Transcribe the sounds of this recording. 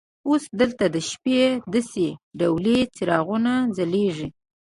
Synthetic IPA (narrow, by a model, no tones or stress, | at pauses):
osd̪əlt̪ad̪əʃped̪aseɖawlet͡sɪɾɑɣunad͡zaleʐi